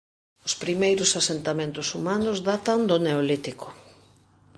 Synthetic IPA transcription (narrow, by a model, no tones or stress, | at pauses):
ospɾimejɾʊsasent̪amẽnt̪ʊsumanʊzðat̪and̪ʊneolit̪iko